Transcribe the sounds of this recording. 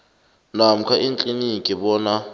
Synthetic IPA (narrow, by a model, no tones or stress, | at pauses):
nam̩kʰaʔint͡ɬʼinikʼiɓɔːna